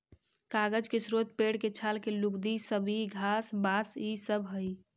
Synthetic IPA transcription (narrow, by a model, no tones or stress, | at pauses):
kaɡəd͡ʒkesɾot̪̚peɽket͡ʃʰalkelukd̪isəbʱiɡʱasbasisəbʱɦəj